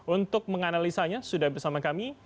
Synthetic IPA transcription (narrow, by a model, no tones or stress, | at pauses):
unt̪ʊk̚məŋanalisaɲasudahbərsamakami